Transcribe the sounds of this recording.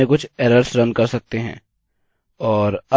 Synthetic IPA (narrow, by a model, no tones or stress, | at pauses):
ẽkʊt͡ʃʰɛːɾəɾsɾɐ̃nkɐɾsɐk̚t̪eɦɛ̰̃ː | ɔːɾɐ